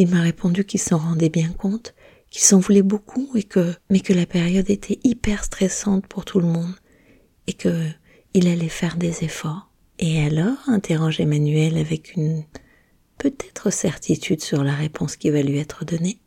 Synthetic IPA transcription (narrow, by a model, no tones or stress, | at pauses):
ilmaʁepʰɔ̃d̪ykʲilsɑ̃ʁɑ̃d̪ebjɛ̃kʰɔ̃t̪ | kʲʰilsɑ̃vulɛbokʰuekəmɛkəlapeʁjɔd̪et̪ʰɛʔipɛʁst̪χɛsɑ̃t̪pʰuʁt̪ʰuləmɔ̃d̪ | ekʰə | ilalɛfɛʁd̪ezefɔʁ | ealɔʁɛ̃t̪ʰeʁɑ̃ʒemanyɛlavɛkʰyn | pøt̪ɛt̪χəsɛʁt̪ʰit̪ʰyd̪syʁlaʁepʰɔ̃skʲivalɥiɛt̪χəd̪ɔne